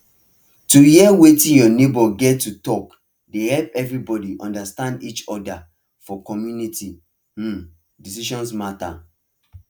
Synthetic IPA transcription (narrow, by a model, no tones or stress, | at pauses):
tujiɛwetĩnjɔnebɔɡɛtːutɔk | dehɛlpɛvɹibɔdiʔɔ̰̃ndastãndit͡ʃɔda | fɔkɔmjuniti | disiʃɔ̃nsmata̰